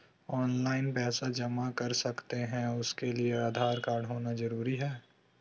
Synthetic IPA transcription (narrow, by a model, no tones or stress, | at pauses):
ɔːnlaːɪnpɛːsad͡ʒɐmakɐɾsɐkt̪eɦɛ̃ʊskelieaːd̪ʱaːɾkaːɾɖɦoːnazɐɾuːɾiɦɛː